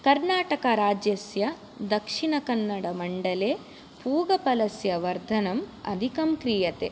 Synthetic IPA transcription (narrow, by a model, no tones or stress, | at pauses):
kɐɾnaːʈɐkɐɾaːd͡ʒjɐsjɐ | d̪ɐkʂiɳɐkɐnːɐɽɐmɐɳɖɐleː | puːɡɐpɐlɐsjɐʋɐɾd̪ʱɐnɐmɐ̰d̪ʱikɐmkɾijɐt̪e